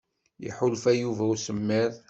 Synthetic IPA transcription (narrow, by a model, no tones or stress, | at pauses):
jḭħʊlfæjuvæwsəmːiɾ